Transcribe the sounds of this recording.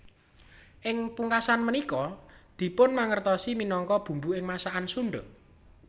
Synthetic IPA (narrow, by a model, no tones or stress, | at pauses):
ʔɪŋpuŋkasanmənikɔd̪̥i̤pʊnmaŋərt̪ɔsiminɔŋkɔb̥ṳmbuɪŋmasaʔansuɳɖʊ̰t